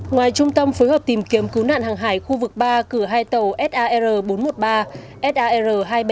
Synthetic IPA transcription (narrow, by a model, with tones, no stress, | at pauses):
ŋwaː˨˩jt͡ɕʊ˧ŋ͡mt̪ə˧mfoː˨˦jhəː˨˩p̚t̪i˨˩mki˨˦əmkɨ˨˦wna̰ː˧˨nhaː˨˩ŋɦaː˧˩jxu˧vɨ˨˩k̚ɓaː˧kɨ˧˩əɦaː˧jt̪ə˨˩wʔɛ˦˥t̚ʔaː˧ʔɛ˧zəː˨˩ɓo˨˦nmo˨˩t̚ɓaː˧ | ʔɛ˦˥t̚ʔaː˧ʔɛ˧zəː˨˩ɦaː˧jɓ